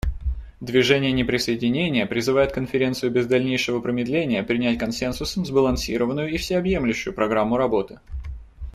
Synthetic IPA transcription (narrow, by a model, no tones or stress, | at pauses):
d̪vʲɪʐɛnʲɪjənʲɪpɾʲɪsəɪdʲɪnʲenʲɪjəpɾʲɪzɨvajɪt̪̚kənfʲɪɾʲe̞nt̪sɨjʊbʲɪzd̪ɐlʲnʲejʂɨvəpɾəmʲɪd̪lʲenʲɪjəpɾʲɪnʲætʲkɐnsʲe̞nsʊszbəlˠɐnsʲiɾəvənːʊjʊifsʲɪɐbjemlʲʉɕːʊjʊpɾɐɡɾamːʊɾɐbo̞t̪ɨ̥